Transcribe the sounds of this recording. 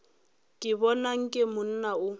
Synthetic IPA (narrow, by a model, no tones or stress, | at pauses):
kʼɪbɔnaŋ̩kʼɪmʊn̩naʊ